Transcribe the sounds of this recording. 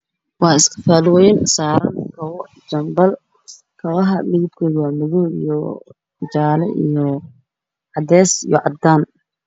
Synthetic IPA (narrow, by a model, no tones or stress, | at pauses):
wɑːɪskʰɐ̥faːlwɛjnsaːɾɐnkʰɐwɔ | d͡ʒɐmbɐl | kʰɐwɐɦɐlɪɣɪt̪kʰɔːðwaːmɪðɔːḭjɔ | d͡ʒaːlɛʔḭjɔ | ʕɑd̪ɛːsḭjɔ̰ʕɑd̪aːn